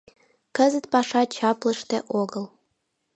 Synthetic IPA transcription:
kəzɨt̪pɑʂɑt͡ʃʰɑplə̆ʂt̪eʔoɡəlˠ

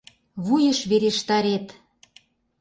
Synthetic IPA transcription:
βujə̆ʃβeɾeʃt̪ɑɾet̪

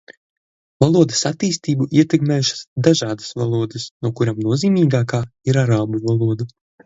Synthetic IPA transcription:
valˠuɔd̪ɐsat̪ːiːst̪iːbuʔiɛt̪ɛkmɛːjuʃḁsd̪aʒɑːd̪ɐ̥sva̰lˠuɔd̪ɨsnuɔkuɾamnuɔziːmiːɡaːkaːiɾaɾaːbuvalˠuɔd̪u

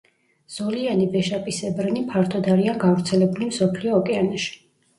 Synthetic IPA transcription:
z̥ɔlianivɛʃapʼisɛbɾnipʰaɾt̪ʰɔd̪aɾianɡavɾt̪sʰɛlɛbulimsɔpʰliɔːkʼɛanaʃi̥

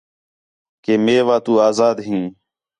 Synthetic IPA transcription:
keːmeːʋaːt̪uːaːzaːd̪ɦĩː

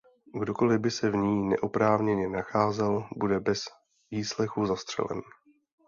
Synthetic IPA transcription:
ɡdo̞ko̞lɪbɪsɛvɲiːnɛ̰ʔopɾaːvɲɛɲɛnaxaːzɛlbudɛbɛz̥ | viːslɛxuzast̪r̥ɛ̰lɛ̰n

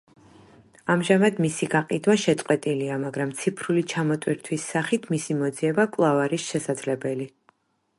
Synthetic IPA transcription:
amʒamad̪misiɡaqʼid̪waʃɛt̪sʼqʼwɛt̪ʼiliamaɡɾamt̪sʰipʰɾulit͡ʃʰamɔt̪ʼwiɾt̪ʰwisːaχit̪ʰmisimɔd̪ziɛbakʼlˠavaɾisʃɛsad̪zlɛbɛli

